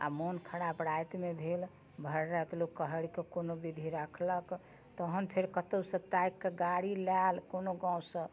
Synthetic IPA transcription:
a̰monkʰəɽapɾajt̪mebʱel | bʱəɾɾət̪lokːəɦəɽikekonobid̪ʱiɾəkʰlək | t̪əɦənpʰeɾkət̪əwsət̪ːajkːeɡaɽilalkonoɡãusə̃

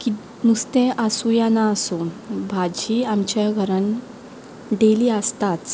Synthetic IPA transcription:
ki | nust̪ẽʔasujanaəsunbʱad͡ʑiamt͡ɕaɡʱəɾan | ɖeliːəst̪at͡s

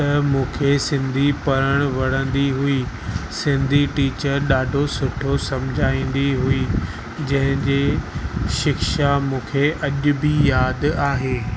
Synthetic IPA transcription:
t̪ɐmũːkʰesɪ̃nd̪ʱipɐɾəɽ̃ʋɐɽ̤̃ə̃nd̪iɦui | sɪ̃nd̪ʱiʈiːt͡ɕəɾɗaːɖʱosʊʈʰosɐmd͡ʑʱaːĩːn̆d̪iɦui | d͡ʑɐ̃ɦɪ̃d͡ʑeːʃɪkʃamũːkʰeʔɐʄʊ̆bijaːd̪aːɦeː

